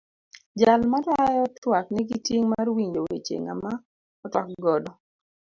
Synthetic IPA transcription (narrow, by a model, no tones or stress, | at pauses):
d͡ʒalmatajɔtwaknɛɡitjeŋmarwiɲdowḛt͡ʃḛŋa̰ma | ɔtɔk̚ɡɔdɔ